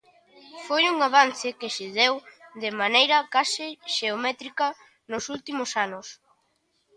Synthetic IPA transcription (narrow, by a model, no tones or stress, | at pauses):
fojuŋaβan̟θɪkɪʃɪðewðɪmanejɾɐkasɪʃeomɛt̪ɾikɐ | nʊsult̪imʊsanʊs